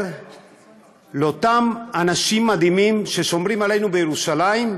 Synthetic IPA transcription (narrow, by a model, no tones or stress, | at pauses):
lo̞t̪amanaʃimːad̪imimʃe̞ʃo̞mɾimale̞jnubejeɾuʃalaim